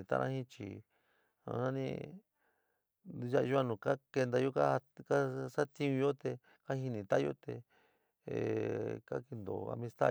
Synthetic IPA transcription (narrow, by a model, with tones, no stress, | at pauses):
t̪a̰˦˧nʔã˦hĩ˦t͡ʃḭ˨ | ã̰˧nã˦nḭ̃˦ | u˧ʒa˦˧ʒu˦a˧nũ˨ka˦ke˧nd̪a˧jo˦ka˦˧ka˦sa˦t̪ĩ˦˧ũ˧jo˦t̪e˧ | ka˦hi˧nĩ˧t̪a˦jo̰˦t̪e˧˨ | ka̰˦ki˧nd̪o̰˨a̰˧mĩ˧st̪a̰˦˧